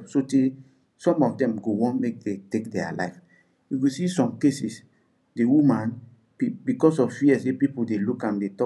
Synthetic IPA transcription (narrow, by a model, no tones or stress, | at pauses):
sote | sɔ̃mɔfdɛ̃mɡowɔ̃nmek̚detekdɛa̰la̰ɪf | wiɡosisɔ̃mkesis | dewumãn | pibikɔs̬ɔffiɛswepipudelukãmdetɔ